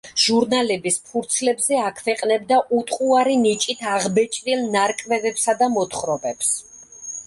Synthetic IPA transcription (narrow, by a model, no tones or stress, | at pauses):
ʒ̥uɾnalɛbispʰuɾt̪sʰlɛbzɛakʰvɛqʼnɛbd̪aʔut̪ʼqʼuaɾinit͡ʃʼit̪ʰaʁbɛt͡ʃʼɾilˠnaɾkʼvɛvɛpsad̪amɔt̪χɾɔbɛps